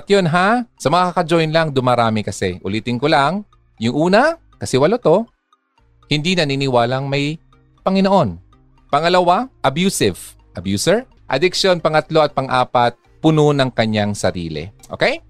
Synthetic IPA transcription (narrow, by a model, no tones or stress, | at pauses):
ɐt̪jonɦasɐmɐŋakakɐd͡ʒojnlaŋd̪ʊmaɾaːmɪkɐsɛʔʊ̰liːt̪ɪŋkolaŋ | jʊŋʔuːnɐ | kɐsɪwɐlot̪o̞ | hɪnd̪inɐniːnɪwaːlɐŋmɐj | pɐŋɪnoʔo̞n | pɐŋɐlɐwaʔɐbjuːsɪv | ʔɐbjuːsɛɹ | ʔɐ̰d̪ɪkʃjo̞npɐŋɐt̪lo̞ʔɐt̪̚pɐŋʔaːpɐt̪̚pʊnonɐŋkɐɲːaŋsɐɾḭːlɛ̰ʔo̰kɛj